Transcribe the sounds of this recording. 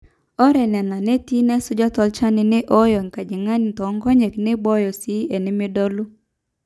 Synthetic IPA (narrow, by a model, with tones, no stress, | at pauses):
ɔ˦ɾɛ˨nɛ˨na˨ne˦ti˦nɛ˦sʊ˦d͡ʒɔ˦tɔ˦lt͡ʃa˦nɪ˨nɪ˦ʔɔ˦jɔ˨ŋ˨ka˨d͡ʒɪ˨ŋa˦ni˨t̪ɔ˨˦ŋɡɔ˦ɲe˨knɪ˦bɔ˦jɔ˨si˦e˨nɪ˦mɪ˦dɔ˦lu˦